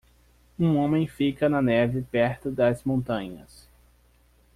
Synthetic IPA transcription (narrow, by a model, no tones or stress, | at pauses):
ũõmẽj̃fikɐnɐnɛvɪpɛɾt̪ʊd̪ɐzmõnt̪ɐ̃ɲɐ̰s